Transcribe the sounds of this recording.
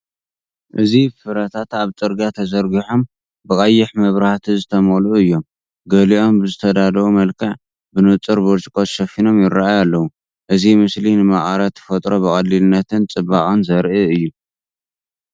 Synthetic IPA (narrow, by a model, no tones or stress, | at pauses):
ʔɨzifɨɾɐt̪ʰat̪aβt͡sʼɨɾɡat̪ʰɐzɐɾɡiħom | bɨkʼɐjːɪħmɐβɾaht̪ʰizɨt̪ʰɐmoluɨjːo̞m | ɡɐliʔo̞mbɨzɨt̪ʰɐd̪ad̪ɐwumɐlkʰɐʕ | bɨnɨt͡sʼɨɾboɾt͡ʃʼikʼot̪ʃɐfino̞mjɪraajalːɐwu | ʔɨzimɨslinɨmaχʼaɾɐt̪ʰːɨ̥fɐt̪ʼɾo̞bɨkʼɐlːilɨnːɐt̪ʰɨnt͡sʼɨbaχʼonzɐɾʔɨɨjːu